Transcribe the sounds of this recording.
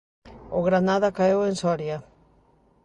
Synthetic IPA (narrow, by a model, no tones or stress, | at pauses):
oɣɾanaðakaewensoaɾia